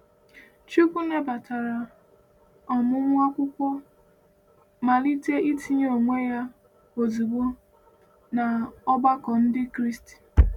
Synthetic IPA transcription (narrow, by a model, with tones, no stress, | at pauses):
t͡ʃu˦kʷu˦ne˦ba˨tʰa˨ɾa˨ | ɔ˨mʊ˦ŋʷ˦a˦kʷʊ˦kʷɔ˦ | ma˨li˦te˦ʔi˦ti˦ɲ˦o˨ŋʷe˦ja˦ | o˨zi˨ɡ͡bo˦ | na˨ɔ˦ba˦kɔ˨n̩˦dɪ˦kɾi˦sti̥˨